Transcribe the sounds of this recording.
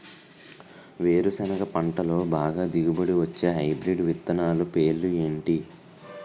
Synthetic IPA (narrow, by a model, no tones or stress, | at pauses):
ʋeːɾusɐnɐɡɐpɐɳʈɐlo̞ːbaːɡaːd̪iɡubɐɽiʋɐt͡ʃːe̞ːɦɐjbɾiɖʋit̪ːɐnaːlupe̞ːlːueːɳʈi